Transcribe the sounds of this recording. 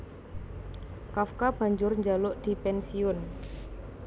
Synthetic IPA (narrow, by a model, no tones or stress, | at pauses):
kafkab̥a̤ɲd͡ʒʊrɲd͡ʒalʊʔd̪̥i̤pɛnsiʊn